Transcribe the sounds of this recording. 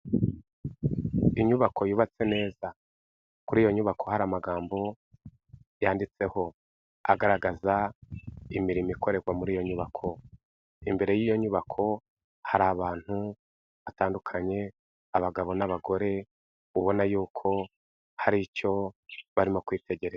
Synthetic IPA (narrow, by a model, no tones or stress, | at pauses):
iɲuβakʰo̞juːβat͡se̞ne̞ːza | kuɾiːjo̞ɲuβakʰo̞haɾamaɡaːmbo̞ | jaːndit͡se̞ho̞ | a̰ɡaɾaɡaza | imiɾimikʰo̞ɾe̞ɡwamuɾiːjo̞ɲuβakʰo̞ | imbe̞ɾe̞jijo̞ɲuβakʰo̞ | haɾaːβaːn̥hu | ataːndukʰaɲe̞ | aβaɡaβo̞naβaɡo̞ɾe̞ | uβo̞najuːkʰo̞ | haɾico̞βaɾimo̞kwiːte̞ɟe̞ɾeza